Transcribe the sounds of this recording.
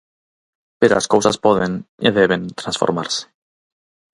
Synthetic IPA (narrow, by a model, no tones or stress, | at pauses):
peɾolaskowsaspoðenḛðeβent̪ɾansfo̞̰ɾmaɾse̥